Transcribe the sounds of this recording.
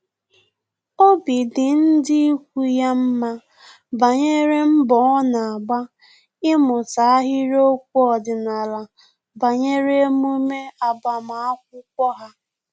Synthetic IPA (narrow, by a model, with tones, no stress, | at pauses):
o˦bi˨dɪ˨n̩˦dɪ˦i˦kʷu˦ja˦m̩˦ma˦ | ba˨ɲe˦ɾe˦m̩˦bɔ˨˦ɔ˦na˨a˨ɡ͡ba˦ | ɪ˦mʊ˨ta˨a˦ɦɪ˦ɾo˦k̚ʷu˦ɔ˨dɪ˨na˨la˨ | ba˨ɲe˦ɾe˦mu˦me˦a˨ba˨ma˨a˦k̚ʷʊ˦kʷɔ˦ɦa˦